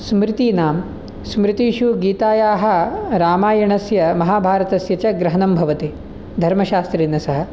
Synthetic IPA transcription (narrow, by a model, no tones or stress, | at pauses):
smɾɪt̪iːnaːm | smɾit̪iːʃuɡiːt̪aːjaːɦɐ̆ɾaːmaːjɐɳɐsjɐmɐɦaːbʱaːɾɐt̪ɐsjɐt͡ʃɐɡɾɐɦɐnɐmbʱɐʋɐt̪i | d̪ʱɐɾmɐʃaːst̪ɾiːnɐsɐɦɐ̆